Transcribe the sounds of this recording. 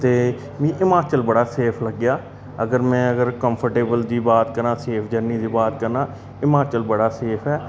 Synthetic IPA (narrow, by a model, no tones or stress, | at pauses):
t̪eː | mĩːʔɪmaːt͡ʃəlbəɽaːseːpʰləɡɪjaː | əɡəɾmɛ̃ːəɡəɾkəmpʰəɾʈeːbəld̪iːbaːt̪kəɾãːseːpʰd͡ʒəɾniːd̪iːbaːt̪kəɾnãː | ɪmaːt͡ʃəlbəɽaːseːpʰɛː